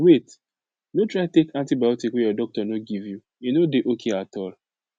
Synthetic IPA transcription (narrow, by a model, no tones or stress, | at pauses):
wet | notɹaɪtekãntibajɔtikwejɔdɔk̚tɔnoɡivju | inodeʔokʰeatɔl